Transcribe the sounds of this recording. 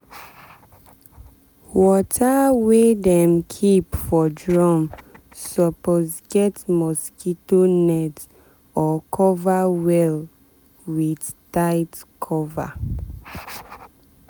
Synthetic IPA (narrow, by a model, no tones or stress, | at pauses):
wɔtʰawedɛ̃mkʰipfɔdɹɔm | sɔpozɡɛtmɔskitonɛt | ɔkʰɔvawɛl | widtaɪtkʰɔva̰